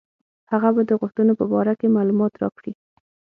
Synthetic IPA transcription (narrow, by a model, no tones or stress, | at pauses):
haɣabad̪əɣʊxt̪ənopəbɑɾakemɑlumɑt̪ɾɑ̰kɽi